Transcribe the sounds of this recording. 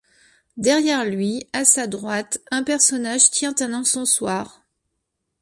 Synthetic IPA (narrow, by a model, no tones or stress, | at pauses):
d̪ɛʁjɛʁlɥiasad̪ʁwat̪ɛ̃pɛʁsɔnaʒt̪jɛ̃t̪ɛ̃nɑ̃sɔ̃swaːʁ